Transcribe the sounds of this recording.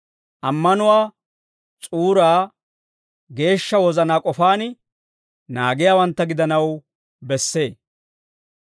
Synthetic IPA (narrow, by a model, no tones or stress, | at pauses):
ʔɐmːɐnʊwaː | t͡sʼuːɾaː | ɡe̞ːʃːɐwɔzɐnaːkʼɔfaːnɪ | naːɡɪjaːwɐnt̪ːɐɡɪd̪ɐnɐw | bɛsːe̞ː